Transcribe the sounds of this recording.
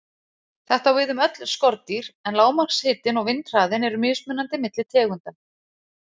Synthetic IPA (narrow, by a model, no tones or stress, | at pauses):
θɛht̪awvɪðʏmœt̪l̥skɔɾt̪iɾ̥ɛnlaːwmakshɪːt̪ɪnɔɣvɪnt̪r̥aːðɪnɛɾʏmʏːsmʏnːant̪ɪmɪt̪lɪt̪ʰɛːɣʏnt̪a